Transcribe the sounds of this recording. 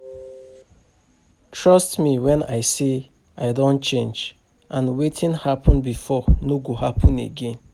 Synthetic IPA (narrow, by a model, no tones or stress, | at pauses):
tʰɹɔstmiwɛ̃na̰ɪse | ʔaɪdõnt͡ʃẽnd͡ʒ | ʔãnwetʰĩnhapʰɔ̃nbifɔnoɡoɦapʰɔ̃nḛɡẽn